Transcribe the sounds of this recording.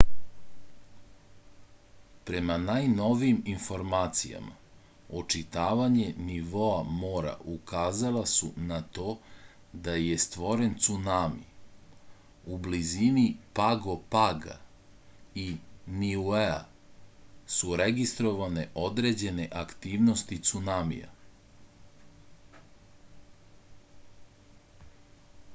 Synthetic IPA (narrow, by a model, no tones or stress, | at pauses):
pɾe̞manajno̞ʋijiminfo̞ɾmaːt̪sija̰ma̰ | ot͡ʂit̪aːʋaɲe̞niʋo̞amo̞ːɾa̰ʔukaːzalasunat̪o̞ː | d̪aje̞st̪ʋo̞ɾe̞nt̪sunamḭ | ublizinipaɡo̞paɡa̰ | iniuea̰ | suɾe̞ɡist̪ɾo̞ʋaneʔo̞d̪ɾe̞d͡ʑe̞ne̞ʔakt̪iːʋno̞st̪it̪sunamḭja̰